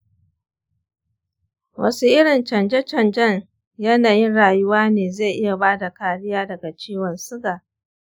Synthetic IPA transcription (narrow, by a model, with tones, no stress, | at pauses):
wʔɐ̰˦su˦ʔɪ˦ɽɪ˨nt͡ʃɐ˨nd͡ʒɛ˦t͡ʃɐ˨nd͡ʒɐ˦ɲ | jɐ˦naː˨jɪ˦nɽaː˨jʊ˦waː˦neː˨ze˦˨ʔɪ˦ja˨baː˦da˨kaː˨ɽɪ˦jaː˦dɐ˨ɡa˨t͡ʃiː˦wɔ˨nsʊ˦ɡaː˨